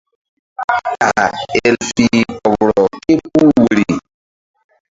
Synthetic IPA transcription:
ka̰˨ɛ˦lsi˦kɔ˨bɾɔ˨ke˦p̚u˦we˨ɾi˨

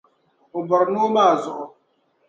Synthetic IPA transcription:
ʊ˨bɔ˨ɾnoː˦maː˦˨zʊ˨ʔʊ˨

